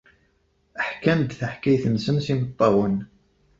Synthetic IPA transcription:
əħkæmd̪θəħkæjθənsəmsimət̪ˤːɑwən

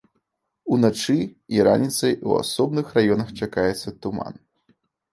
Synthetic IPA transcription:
unat͡ʂɨiɾa̰nʲit̪sɐjua̰sɔbnɨxrajɔnɐxt͡ʂakajɛt̪sːɐt̪uma̰n

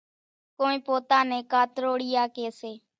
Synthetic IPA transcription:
koːĩːpoːt̪aːnẽːkaːt̪ɾoːɽɪːjaːkeːseː

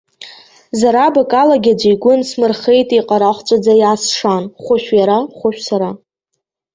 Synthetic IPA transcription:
zaɾabakʼalaɡʲad͡ʒʷiɡʷʊnsmɨrχejtʼiqʼaɾaχʷt͡sʷʼad͡zajasʂanχʷʊʃʷᶣjaɾaχʷʊʃᶣsaɾa

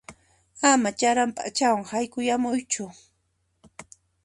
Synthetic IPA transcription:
amat͡ʃaɾampa̰t͡ʃawaŋhajkʊjamʊjt͡ʃʊ

